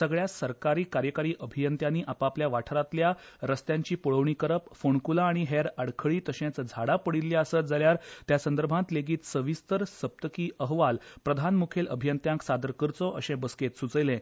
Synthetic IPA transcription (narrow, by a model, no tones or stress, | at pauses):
səɡɭjasəɾkaɾiːkaɾjəkaɾiːʔəbʱijənt̪jãniːʔapapljaʋaʈʰɾat̪ljaɾəst̪jãɲt͡ɕiːpuɭəʋɳiːkəɾəpfoɳkulaːɽ̃iɦeɾəɽkʰəɭiːt̪əɕẽt͡sd͡zʱaɽapəɽilːjaasət̪d͡zaljaɾt̪jasə̃nd̪əɾbʱãt̪leɡiːt̪səʋist̪əɾsəp̚t̪əkiːʔəɦʋalpɾəd̪ʱanmukʰeləbʱijənt̪jãŋksad̪əɾkəɾt͡sɔʔəɕẽbəsket̪sut͡səjlẽ